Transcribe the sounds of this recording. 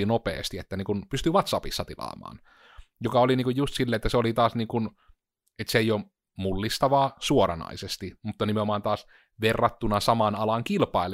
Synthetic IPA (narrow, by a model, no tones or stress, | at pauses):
inopḛːst̪iet̪ːæniːŋkunpyst̪yʋɑt̪sɑpisːɑt̪ilɑ̰ːmɑ̰ːn | jokɑoliniːŋkujjust̪silːeet̪ːæseolit̪ɑːsniːŋkun | et̪seijo | mulːist̪ɑʋɑːsuorɑnɑ̰isest̪imut̪ːɑnimeomɑːnt̪ɑːs | ʋerːɑt̪ːunɑsɑmɑnɑlɑŋkilpɑˑel